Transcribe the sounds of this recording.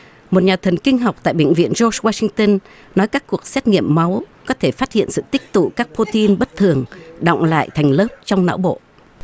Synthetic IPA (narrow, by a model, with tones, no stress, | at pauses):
mo˨˩t̚ɲaː˨˩t̪ʰə˨˩nkï˧ŋ̟ɦa˨˩wk͡p̚t̪a̰ː˧˨jɓḛ˧˨ŋ̟vḭ˧˨ənzo˧swaː˧si˧ŋt̪ə˧n | nɔ˨˦jkaː˦˥kːu˨˩ək̚sɛ˦˥t̚ŋḭ˧˨əmːa˨˦wkɔ˨˦t̪ʰe˧˩faː˦˥t̚hḭ˧˨ənsɨ̰˧˨t̪ï˦˥k̚t̪ṵ˧˨kaː˦˥k̚pʰo˧t̪i˧nɓə˦˥t̚t̪ʰɨ˨˩əŋɗɔ̰˧˨wŋ͡mla̰ː˧˨jt̪ʰɛ˨˩jŋ̟ləː˦˥p̚t͡ɕɔ˧wŋ͡mna̰ː˧˥wɓo̰˧˨